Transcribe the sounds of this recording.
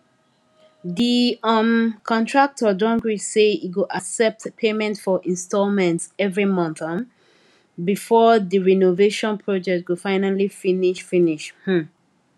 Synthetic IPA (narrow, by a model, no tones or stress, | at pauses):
diɔnkʰɔ̃ntʰɹak̚tʰɔdɔ̃ŋɡɹiseiɡoʔasɛp̚tpʰemɛ̃ntfɔʔĩnstɔlmɛ̃ntsɛvɹimɔ̃nθə̃n | bifɔðəɹɛnoveʃɔ̃npʰɹɔd͡ʒɛk̚t̚wufaɪnalifiniʃfĩniʃhm̩